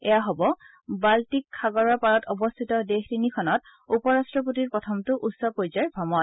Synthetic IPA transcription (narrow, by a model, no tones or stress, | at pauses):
ɛjaɦɔbɔ | baltikʰːaɡɔɹɔɹpaɹɔtʰɔbɔst̪ʰitɔdextinikʰɔnɔt | upɔɹastɹɔpotiɹpɹɔtʰɔmtʊʔutsɔpojzɔɹbʱɔmɔn